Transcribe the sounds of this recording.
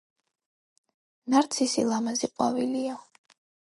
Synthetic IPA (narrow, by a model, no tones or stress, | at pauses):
naɾt̪sʰisḭlˠamaziqʼwavilia